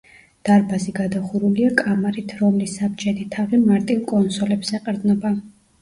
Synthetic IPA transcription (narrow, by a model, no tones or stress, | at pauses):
d̪̥aɾbaziɡad̪aχuɾuliakʼamaɾit̪ʰɾɔmlisabd͡ʒʼɛd̪it̪ʰavimaɾt̪ʼivkʼɔnsɔlɛbsɛqʼɾd̪nɔba